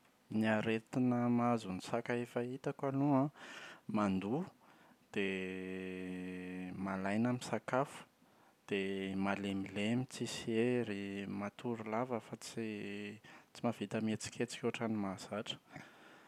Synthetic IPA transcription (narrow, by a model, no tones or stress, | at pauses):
niaɾet̪inəmazunisakaefait̪akaluãmand̪u | d̪̥e | malajnamisakafu̥ | d̪̥emalemilemit͡sisieɾimat̪uɾulavəfat͡si | t͡simav̥it̪əmet͡si̥kʲet͡si̥kʲuaʈ͡ʂanimasaʈ͡ʂə̥